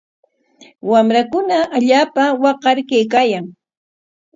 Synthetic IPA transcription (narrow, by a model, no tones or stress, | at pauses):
wamɾakʊnaaʎaːpawɑqɑɾkajkaːjaŋ